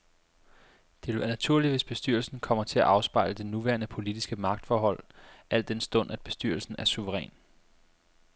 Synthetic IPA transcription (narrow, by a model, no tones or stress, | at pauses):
d̥e̝æɐnæt͡sʰuɐ̰liʋe̝sb̥e̝sd̥yɐl̩sn̩kʰɒ̽m̰ɐt͡sʰe̝æʔɑ̈ʊspɑ̈ɪ̰ləd̥e̝nuʋæɐnəpʰo̝lid̥isɡ̥əmɑ̈ɡ̥̚d̥fɒːɦɒ̽l̰æl̰d̥ensd̥ɔ̽n̰ʔæd̥̚b̥e̝sd̥yɐl̩sn̩æɐsuʋəʁɛ̰ːn